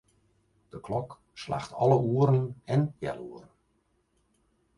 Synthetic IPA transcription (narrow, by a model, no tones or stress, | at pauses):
d̥əklɔk | sla̰xtʰɔləuəɾən̩ɛnjɛ̰luərn̩